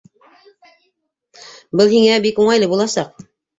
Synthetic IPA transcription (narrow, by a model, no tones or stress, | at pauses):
bɤlˠɦiŋæbikuɴɑjlɤbulˠɑsɑq̚